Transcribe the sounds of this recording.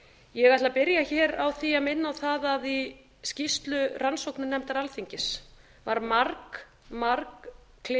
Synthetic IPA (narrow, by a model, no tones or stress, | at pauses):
jɛɣaht̪lapɪɾjaçɛːɾawθiamɪnːawθaðaði | scist̪lʏrʔansowknʏnɛmt̪aɾalθiɲcɪs | vaɾmaɾk | maɾkʰː | lɪ